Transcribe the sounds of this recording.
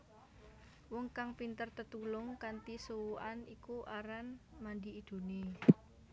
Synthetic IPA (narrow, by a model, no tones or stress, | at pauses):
wʊŋkaŋpint̪ərt̪ət̪ulʊŋkant̪isuwuʔanikuʔaɾanmand̪i̤ːd̪̥o̤ne